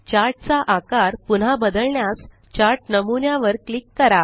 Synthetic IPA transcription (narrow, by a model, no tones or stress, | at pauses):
t͡ɕaɾʈ̚t͡saʔakaɾpun̤abəd̪əɭɳjas | t͡ɕaɾʈnəmunjaʋəɾklikːəɾa